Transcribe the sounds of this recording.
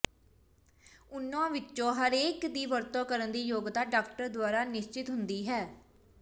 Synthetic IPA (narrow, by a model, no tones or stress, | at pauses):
ʊnːãːʋɪt͡ʃːõːɦəɾeːkd̪iːʋəɾt̪õːkəɾənd̪iːjoːɡd̪aːɖaːkʈəɾd̪waːɾaːnɪʃt͡ʃɪt̪ɦʊnd̪iːɦɛː